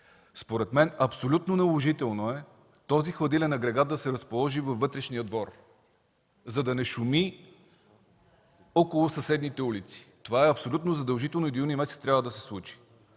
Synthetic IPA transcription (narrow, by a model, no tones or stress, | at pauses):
spoɾɛt̪mɛnɐpsolʲut̪nonɐlˠoʒit̪ɛlˠnoɛ | t̪ɔzixlˠɐd̪ilɛnɐɡɾɛɡat̪̚d̪ɐsɛɾəspolˠɔʒivɐfvːɤt̪ɾɛʃnijəd̪vɔɾ | zɐd̪ɐnɛʃumi | ɔkolˠʊsɐsɛd̪nit̪ɛulit̪si̥t̪ovaɛɐpsolʲut̪nozɐd̪ɐlˠʒit̪ɛlˠnoid̪unimɛsɛt̪t̪ɾjavəd̪ɐsɛ̥slˠut͡ʃi̥